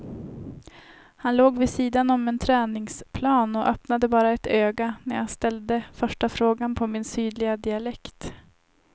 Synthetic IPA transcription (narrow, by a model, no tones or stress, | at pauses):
hanloːɡvɪsiːd̪anɔmɛnt̪ʰɾɛːnɪŋspʰlɑːnɔʔœpnad̪əbɑːɾaɛt̪øːɡanæɾjast̪ɛld̪əfœʂʈafɾoːɡanpʰɔmɪnsyːd̪lɪɡad̪ɪalɛkt̪